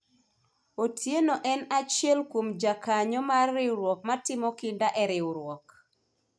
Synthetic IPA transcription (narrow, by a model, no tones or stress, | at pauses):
otʰjenoʔɛnat͡ʃjɛlkwomd͡ʒakaɲɔmarːɪɾwɔk̚matɪmɔkɪndaʔɛɾɪʊɾwɔk